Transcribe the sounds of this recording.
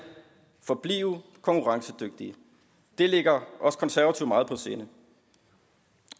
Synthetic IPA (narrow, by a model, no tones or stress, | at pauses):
fɒ̽b̥lḭːʊ | kʰɒ̽ŋkʰuʁɑ̈ŋsəd̥øɡ̥̚d̥i | d̥e̝le̝ɡ̥ɐʔɒ̽sə̥kʰɒ̽nsæɐʋæt͡sʰiʊmɑ̈ːð̩ˠpʰɒ̽se̝ːnə